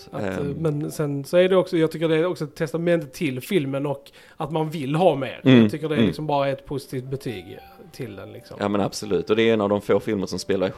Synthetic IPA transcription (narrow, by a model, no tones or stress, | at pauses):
at̪mɛnsɛnsɔæɖɛɔksɔjɑːɡt̪ʰʏk̬ːəɖɛɔksɔɛt̪ʰːɛst̪amɛnt̪ət̪ʰːɪlfɪlmənɔkː | at̪manvɪlːɦɑːmḛːɾjɑɡt̪ʏkːəɖɛlɪksɔmbɑːɾaɛt̪pʰʊsɪ̥t̪ʰiːft̪̚bɛt̪ʰy̰ːɡ | t̪ʰɪld̪ɛ̰nlɪ̰ksɔ̰mjɑ̰ːmɛna̰b̥sʊlʉ̟ːt̪ːɔd̪ɛɾɛnavd̪ɔmfoːfɪlməɾʂɔmspeːlaɾ